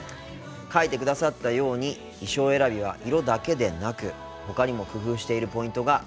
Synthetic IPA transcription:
kait̪e̞k̬ɯ̟d̪asat̪ːajo̞ːɲ̟i | iɕo̞ːe̞ɾabʲiβ̞a̰ʔiɾo̞d̪ake̞d̪e̞nakɯ̟ | ho̞kaɲ̟imo̞kɯ̟ɸɯ̟ːɕi̥t̪e̞iɾɯ̟po̞ĩnt̪o̞ɡa

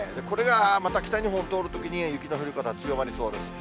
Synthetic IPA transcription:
d̪e̞ko̞ɾe̞ɡamat̪akʲi̥t̪aɲ̟iɦõot̪o̞ːɾɯ̟t̪o̞kʲiɲ̟ijɯ̟kʲinoɸɯ̟ɾʲɯ̟kat̪at͡sɨjo̞maɾʲiso̞ːɾɯ

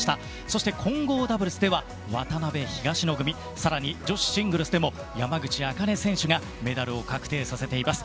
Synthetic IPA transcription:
i̥t̪a | so̞ɕi̥t̪e̞kʰõ̞ŋɡo̞ːd̪abɯɾɯ̟sɨd̪e̞βa | βa̰t̪anabe̞çiɡaɕino̞ɡɯ̟mʲi | saɾaɲ̟id͡ʑo̞ɕi̥ɕĩŋɡɯ̟ɾɯ̟sɨd̪e̞mo̞ | jamaɡɯ̟t͡ɕiaːkane̞sẽ̞ɰ̃ɕɨɡa | me̞d̪aɾɯ̟o̞kakɯ̟̥t̪e̞ːsase̞t̪e̞imasɨ̥

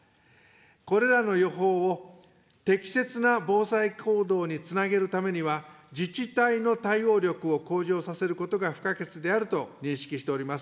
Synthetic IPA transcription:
ko̞ɾe̞ɾano̞jo̞ɦo̞ːo | t̪e̞kʲi̥se̞t͡sɨnabo̞ːsaikʰo̞ːd̪o̞ːɲ̟it͡sɨnaɡe̞ɾɯ̟t̪ame̞ɲ̟iβa | d͡ʑit͡ɕit̪aino̞t̪aio̞ːɾʲo̞kɯ̟o̞ko̞ːʑo̞ːsase̞ɾɯ̟ko̞t̪o̞ɡaɸɯ̟̥kake̞t͡sɨd̪e̞aɾɯ̟t̪o̞ɲ̟ĩɰ̃ɕi̥kʲiɕi̥t̪e̞o̞ɾʲimasɨ̥

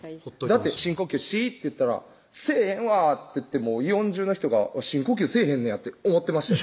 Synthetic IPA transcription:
d̪att̪ːeɕĩŋkokʲɨɕit̪ːe̞jɯ̟t̪ːaɾa̰ | se̞ːhẽ̞ɰ̃βat̪ːeɯ̟t̪ːe̞mo̞ːijõ̞ɲ̟d͡ʑɨːno̞çi̥t̪o̞ɡa̰βaɕĩŋkokʲɨːse̞ːhẽ̞nːẽjat̪ːeomo̞t̪ːe̞maɕ

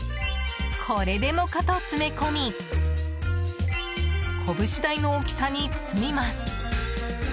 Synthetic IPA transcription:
kʰo̞ɾe̞d̪e̞mo̞kat̪o̞t͡sɨme̞ko̞mʲi | kʰo̞bɯ̟ɕid̪aino̞ːkʲi̥saɲ̟it͡sɨ̥t͡sɨmʲimasɨ̥

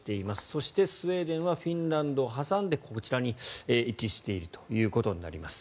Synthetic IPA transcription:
t̪e̞imasɨ̥so̞ɕi̥t̪e̞sɨβe̞ːd̪ẽ̞ɰ̃βaɸʲĩnɾãnd̪o̞ːɦasãnd̪e̞kʰo̞t͡ɕiɾaɲ̟ieːit͡ɕiɕi̥t̪e̞iɾɯ̟t̪ojɯ̟ːko̞t̪o̞ɲ̟ina̰ɾʲimasɨ̥

